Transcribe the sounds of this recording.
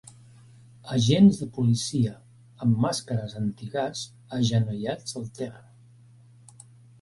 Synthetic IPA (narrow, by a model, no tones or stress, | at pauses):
əʒenzðəpulisiə | əmːaskəɾəzənt̪iɣaz̥ | əʒənujad͡zzəlˠt̪ɛrə